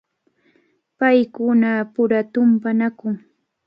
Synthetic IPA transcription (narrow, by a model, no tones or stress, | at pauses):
pajkʊnapʊɾat̪ʊmpanakʊŋ